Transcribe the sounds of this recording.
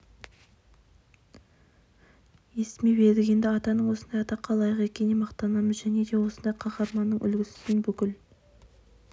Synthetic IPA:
je̞sɪmebe̞d̪ɪɡʲe̞nd̪ɪɑt̪ɑnəɴwo̞sənd̪ɑjɑt̪ɑqʰɑlˠɑjəʁe̞kʲe̞nemɑqt̪ɑnɑməzʒæne̞d̪e̞wo̞sənd̪ɑjqʰɑχɑɾmɑnːəɴʔʏ̰lɡʲɪsɪ̥sɪnbʏkʲɪl

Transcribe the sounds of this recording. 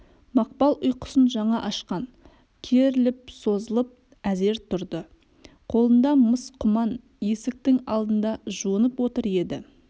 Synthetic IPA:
mɑq̚pɑlˠʔʊjqʊ̥sənʒɑɴɑʔɑʃqɑn | kʲʰeɾɪlɪp̚so̞zəlˠəp̚ | æze̞ɾt̪ʰʊɾd̪ə | qʰo̞lˠənd̪ɑməsqʰʊmɑn | je̞sɪk̚t̪ɪŋɑ̰lˠd̪ənd̪ɑʒuənəpwo̞t̪əɾe̞d̪ɪ

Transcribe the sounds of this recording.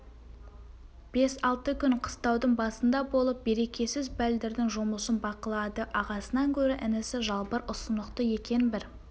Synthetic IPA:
b̥e̞sɑlˠt̪əkʲʰʏnqʰə̥st̪ɑwd̪əɴbɑsənd̪ɑbo̞lˠəp̚be̞ɾe̞kʲe̞sɪzbæld̪ɪɾd̪ɪŋʒomlˠəsənbɑqəlˠɑd̪əʔɑʁɑsənɑŋkʲʰɵɾɪʔɪnɪsɪʒɑlˠpəɾʔʊsənd̪əqt̪əje̞kʲe̞nbɪɾ

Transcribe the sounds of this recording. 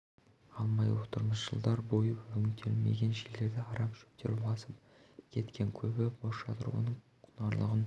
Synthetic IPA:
ɑlˠmɑjwot̪əɾməsʒ̥əlˠd̪ɑɾbo̞jəɵŋʲɪt̪ʰe̞lme̞̰ɡʲe̞nʒele̞ɾd̪ɪɑɾɑmʃɵ̥p̚t̪ʰe̞ɾbɑsəp̚ | kʲʰe̞t̪kʲʰe̞ŋkʲʰɵbɪboʃɑ̰t̪ʰəɾṵwə̰nəɴ | qʰʊnɑɾlˠə̰ʁən

